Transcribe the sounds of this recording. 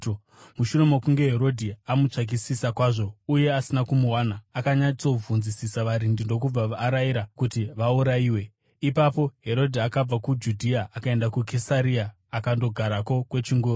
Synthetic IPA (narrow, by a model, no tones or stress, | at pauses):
muʃure̞mokuŋɡe̞ɦe̞ɾo̞dʱiamut͡ʂak̬isisakwaːʐo̞uje̞asinakumuwanaːkaɲait͡sob͡vʱunzisisaʋaɾindindo̞k̬ub͡vaʋaːɾaiɾakutiʋauɾaiːwe̞ | ipapo̞ɦe̞ɾo̞dʱiakab͡vakud͡ʒudʱiaːkae̞ndakukʰesaɾiaː | kando̞ɡʱaɾako̞kwe̞t͡ʃiŋɡu